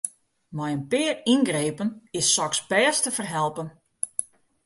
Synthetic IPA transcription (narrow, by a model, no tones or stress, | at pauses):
mɛjənpɪːərinɡreːpənɪsːɔksbɛːstəfərɦɛlˠpən